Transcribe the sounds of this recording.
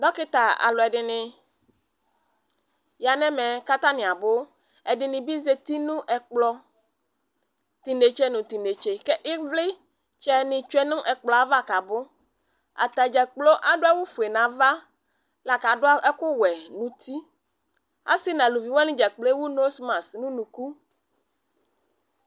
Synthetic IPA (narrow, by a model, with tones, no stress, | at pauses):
ɖɔ˦kɪ˦t̪a˨a̰˨lɔ˨ɛ˨ɖɪ˨nɪ̃˨ | ja˨nɛ̃˦mɛ̃˨ka˦t̪a˦nĩ˨a˨bʊ˦ | ɛ˨ɖɪ˨nɪ̃˨bi˦ze˨t̪i˦nũ˦ʔɛ˨k͡plɔ˦ | t̪i˨nɖe˨t͡ʃe˦nũ˨t̪i˨nɖe˨t͡ʃe˨kɛ˦ʔɪ˦vlɪ˦ | t͡ʃɛ˦nɪ̃˨t͡ʃu˦ɛ˦nũ˦ʔɛ˨k͡plɔ˨a˨va˦ka˨bʊ˦ | a̰˨t̪a˨d͡ʒɛ˨k͡plɔ˦ʔa˦ɖo˦a˦wu˦fu˨e˨nã˨va˦ | la˨ka˨ɖo˦a˦ɛ˦kʊ˦wɛ˨nũ˨t̪i˦ | a̰˦si˦nã˨lu˨vi˨wa˦nĩ˦d͡ʒɛ˨k͡ple˦wu˦no˦smã˨snũ˦nũ˨ku˦